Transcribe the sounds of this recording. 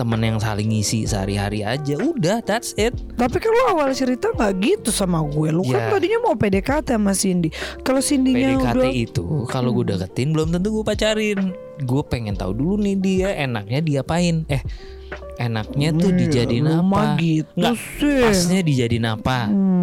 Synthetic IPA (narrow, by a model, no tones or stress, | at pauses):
t̪əmənjaŋsa̰lɪŋisisəa̰ɾiɦa̰ɾia̰d͡ʒaudahd̪at̪sɪt̪̚t̪apikaloawalt͡ʃəɾit̪aŋɡaʔɡit̪usamaɡuɛlujkat̪adiɲamaupedekat̪ɛmasindikalosindiɲauatdaɛit̪ṵkaloɡdakət̪ɪnbəlʊmt̪ənt̪̬uɡuapat͡ʃaɾɪn | ɡuapeŋɛnt̪a̰udulunɪhdiaʔena̰k̚ɲadiapaɪnɛh | enak̚ɲat̪ʊdid͡ʒadilnamaɡitt̪ɡa | ɪsɲadid͡ʒadɪnapa